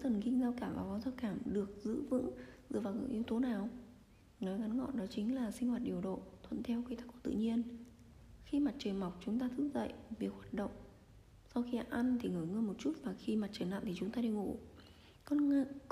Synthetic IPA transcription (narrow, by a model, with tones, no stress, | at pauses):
t̪ʰə˨˩nkï˧ŋzaː˧wkaː˧˩mvaː˨˩kɔ˨˦nzaː˧wkaː˧˩mɗɨ˨˩ək̚zɨ̰˧˥vɨ̰˧˥zɨ̰˧˨vaː˨˩wkːŋʔi˨˦wt̪o˨˦naː˨˩w | nɔ˨˦jɣa˨˦nŋɔ̰˧˨nɗɔ˨˦t͡ɕï˨˦ŋ̟laː˨˩si˧ŋ̟hwaː˨˩t̚ɗi˨˩əwɗo̰˧˨t̪ʰwə̰˧˨nt̪ʰɛ˧wkə˧jt̪a˦˥kːɔ˧˩t̪ɨ̰˧˨ɲi˧ən | xi˧ma˨˩t̚t͡ɕəː˨˩ma˨˩wk͡p̚t͡ɕʊ˨˦ŋ͡mt̪aː˧t̪ʰɨ˨˦˥k̚zə̰˧˨jvi˨˩ək̚hwaː˨˩t̚ɗə̰˧˨wŋ͡m | sa˧wxi˧ʔa˧nt̪ʰi˨˩ŋɨː˧˩jŋɨ˧jmo˨˩t̚t͡ɕu˦˥t̚maː˨˩xi˧maː˨˩t͡ɕəː˨˩nla̰ː˧˨nt̪i˨˩t͡ɕʊ˨˦ŋ͡mt̪aː˧e˧ŋṵ˧˩ | kɔ˧n˧